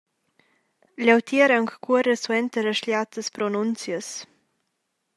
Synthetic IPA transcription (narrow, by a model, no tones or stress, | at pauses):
lawt̪ʰiɾaŋkkuəɾəswɛnt̪əɾəʃljat̪əspɾɔnunt͡sjəs